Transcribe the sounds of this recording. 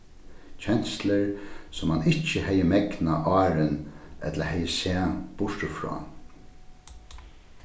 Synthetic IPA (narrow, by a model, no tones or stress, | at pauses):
t͡ɕʰɛnsləɹsɔmhanɪht͡ʃːəhɛjəmɛknaʔɑːɾɪnɛ̰t̪ləhɛjəsæːb̥ʊʂt̪əfɹɔ̰ː